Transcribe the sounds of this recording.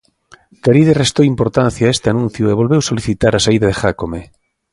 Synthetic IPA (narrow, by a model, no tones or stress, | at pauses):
kaɾiðerest̪owimpoɾt̪ãn̟θjaest̪eanũn̟θjʊeβ̞olβewsoliθit̪aɾasaiðaðexakome